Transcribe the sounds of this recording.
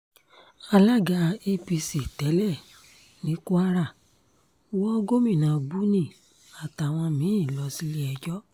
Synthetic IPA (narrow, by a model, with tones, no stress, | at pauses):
a˧la˦ɡa˧e˦pi˧si˨tɛ˨˦lɛ˦˨ | nĩ˨˦ku˦a˦ɾa˦˨˦ | wɔ˦ɡo˦mĩ˦˨nã˨bu˦nĩ˦˨ | a˨ta˨w̃ɔ̃˧mĩ˨˦ĩ˦˨lɔ˧si˦li˦ɛ˧d͡ʒɔ˦